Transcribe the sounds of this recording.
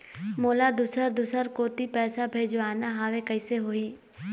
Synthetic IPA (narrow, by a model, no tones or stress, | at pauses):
moːlad̪ʊsəɾd̪ʊsəɾkoːt̪ipɛːsabʱeːd͡ʒaːnaɦaːʋekɐɪseɦoːiː